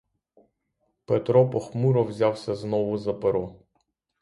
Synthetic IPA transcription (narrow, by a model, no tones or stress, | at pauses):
pet̪ɾɔpɔxmuɾɔwzʲawsʲɐznɔʋʊzɐpeɾɔ